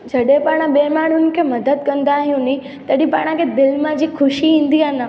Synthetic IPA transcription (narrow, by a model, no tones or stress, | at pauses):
d͡ʒʱəɽepaɳ̃ãɓemaɽunkʰẽməd̪əd̪̚kənd̪aɦjũnĩ | t̪əɽipaɳ̃ãkẽd̪ɪlmãd͡ʒikʰʊʃiɦĩnd̪iana